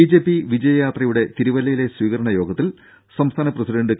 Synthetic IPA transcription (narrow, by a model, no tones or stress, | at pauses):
id͡ʑe̞ːpːiʋid͡ʑɐjɐjaːt̪rɐjuɽe̞t̪iɾuʋɐlɐjile̞sʋiːɣɐɾɐɳɐjo̞ːɡɐt̪ːil | sɐmst̪ʰaːnɐprɐsiɖɐɳɖɨk